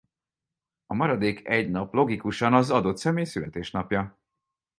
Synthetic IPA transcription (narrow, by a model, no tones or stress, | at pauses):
ɒmɒɾɒd̪eːkɛɟnɒplo̞ɡikuʃɒnɒzɒd̪o̞t̪sɛmeːjsylɛt̪eːʃnɒpjɒ